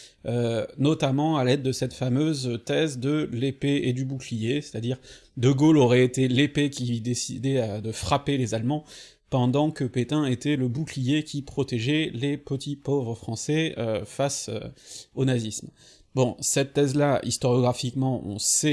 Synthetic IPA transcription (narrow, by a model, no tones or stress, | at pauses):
ønɔt̪amɑ̃alɛd̪ːəsɛt̪famøzt̪ɛzd̪əlepeed̪ybuklijese̥t̪ad̪iʁd̪əɡolɔʁɛet̪elepekʲid̪esḭd̪ɛad̪əfχapelezalmɑ̃ | pɑ̃d̪ɑ̃kəpet̪ɛ̃et̪ɛləbuklijekʲipχɔt̪eʒɛlepət̪ʰipovʁəfχɑ̃sɛøfasø̰onazism | bɔ̃sɛt̪ːɛzlaʔḭst̪ɔʁjɔɡʁafikmɑ̃ɔ̰̃sɛ